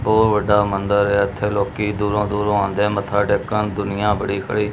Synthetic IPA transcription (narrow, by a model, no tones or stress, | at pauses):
boːɾʋəɖːaːmənd̪əɾɛːət̪ʰːeːloːkiːd̪uːɾõːd̪uːɾõːãːnd̪ẽːmət̪ʰːaːʈeːkənd̪ʊnɪjãːbəɽiːkʰə̰ɽiː